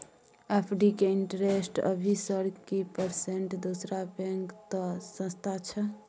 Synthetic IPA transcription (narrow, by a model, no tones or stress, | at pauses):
epʰɖikeiɳʈɾesʈə̰bʱisəɽkipəɾseɳʈd̪osɾabɛ̃ŋkt̪ɔsə̃st̪ʰat͡ʃʰə